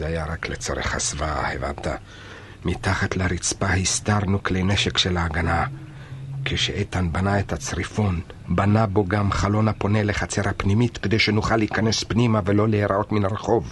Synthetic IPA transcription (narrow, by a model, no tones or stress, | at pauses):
zeajaɾaklet͡so̞ɾḛχa̰svahḛva̰nt̪a̰ | mitaχat̪laɾit͡spahist̪aɾnuklejneʃekʃelaːɡana | kʰeʃeʔet̪anbanaet̪at͡sʁifo̞n | banabo̞ɡamχalo̞nhapo̞neleχat͡se̞ɾhapnimit̪ked̪e̞jʃenuχalːiːkane̞spnimavelo̞leeɾao̞t̪minaɾeχo̞v